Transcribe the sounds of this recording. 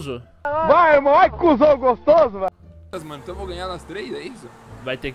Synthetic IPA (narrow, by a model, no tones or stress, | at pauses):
zʊ | baemɐ̃w̃ajkuzõɡost̪ozʊva | ɐzmɐ̃ñĩt̪ɐ̃w̃voɡɐ̃ɲaɾnɐst̪ɾezɛisʊ | vajt̪ek